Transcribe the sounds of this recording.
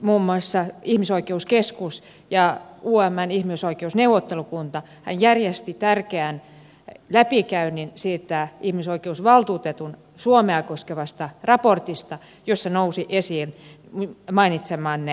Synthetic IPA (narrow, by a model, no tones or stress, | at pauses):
muːmːoɑsːɑihmisoikeuskeskus | jɑuːæmːænihmiusoikeusneuʋot̪ːelukunt̪ɑ | hæ̰njærjest̪it̪ærkeæn | læpikæyninsiːt̪æihmisoikeusʋɑlt̪uːt̪et̪un | suomeɑkoskeʋɑst̪ɑrɑport̪ist̪ɑ | josːɑnousiʔesiːn | mɑinit̪semːɑːnːe